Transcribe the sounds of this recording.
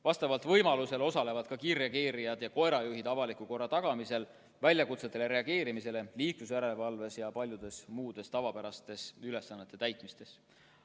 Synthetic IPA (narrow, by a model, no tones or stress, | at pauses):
vɑst̪ɑvɑlt̪vɤjmɑluse̞lo̞sɑle̞vɑd̪̥̚kɑkirːɑkeːɾijɑd̪̥jɑko̞e̞ɾɑjuɦid̪̥ɑvɑlikuko̞rːɑt̪ɑɡ̥ɑmise̞l | vælʲjɑkut̪se̞t̪ːˑe̞le̞ɾe̞ɑɡ̥e̞ːɾimise̞le̞liːklusjæɾelevɑlve̞sjɑpɑlʲjud̪̥e̞smuːd̪̥e̞st̪ɑvɑpeɾɑst̪e̞syle̞sːɑnːet̪ːˑe̞t̪æjt̪ˑmist̪e̞s